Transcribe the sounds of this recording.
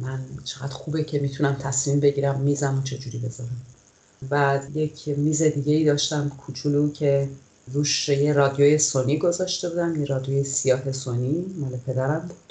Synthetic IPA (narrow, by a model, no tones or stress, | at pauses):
mænt͡ʃʰe̞ɣæd̪̥xube̞cʰe̞miːt̪ʰunæmt̪ʰæsmimbe̞ɟiːɾæmːiːzæmot͡ʃʰe̞d͡ʒuːɾiːbe̞zɒːɾæm | væjecʰmiːze̞d̪iːɟeiːd̪ɒːʃt̪æmkʰut͡ʃʰuːlucʰe̞ | ɾuːʃjeɾɒd̪ijojesoniːɡo̞zɒːʃt̪e̞buːd̪æmjeɾɒːd̪ijojesijɒːɦe̞sonimɒːlepʰe̞d̪æɾæmdud̪̥